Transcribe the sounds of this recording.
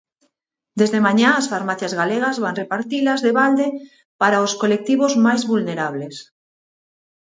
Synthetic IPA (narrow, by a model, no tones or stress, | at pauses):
d̪ezðemãɲãasfaɾmaθjazɣaleɣ̞azβaŋrepaɾt̪ilazðeβald̪e | paɾaoskolek̚t̪iβ̞ozmajzβulneɾaβles